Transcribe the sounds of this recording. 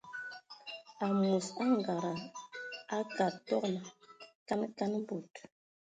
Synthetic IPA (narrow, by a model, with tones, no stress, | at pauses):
a˨mu˨sa˦ŋ˨ɡa˨ɾa˨ | a˦ka˨ɾtɔ˦kla˨ka˦nka˦n˦bu˨t